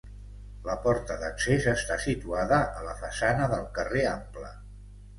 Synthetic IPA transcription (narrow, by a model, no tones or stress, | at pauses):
ləpɔɾt̪əðəksezəst̪asit̪uaðəʔələfəsanəðəlˠkəreamplə